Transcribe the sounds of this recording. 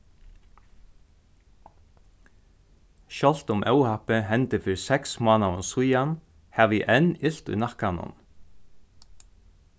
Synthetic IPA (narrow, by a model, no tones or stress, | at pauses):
ʃɔl̥t̪ʊmʔœwhapɪɦɛnt̪ɪfɪɾsɛksmɑːnaʊnsujan | hɛʋiʔɛnɪl̥t̪ṵjnahkanʊ̰n